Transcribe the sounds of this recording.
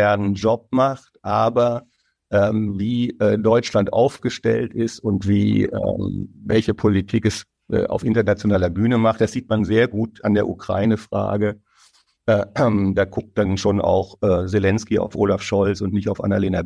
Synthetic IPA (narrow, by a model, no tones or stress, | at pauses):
ɛɐnənd͡ʒɔp̚maχtʔaːbɐ | ʔɛːmviːʔɛːdɔʏt͡ʃlantʔa̰ʊfɡ̥əʃtɛ̰ltɪstʊntv̥iːʔɛ̰ːmvɛlçəpʰolitʰiːkɛs | ʔɛ̰ːʔa̰ʊfʔɪntɐnat͡sjonaːlɐbyːnəmaχt̚d̥asz̥iːtmanzeːɐɡuːtandeːɐʔukʁ̥a̰ɪnəfʁ̥a̰ːɡə | ʔɛmd̥aːɡʊk̚t̚d̥anʃoːna̰ʊxʔɛːzelɛnskia̰ʊfʔoːlafʃɔlt͡sʊntnɪçtaʊfʔa̰naleːna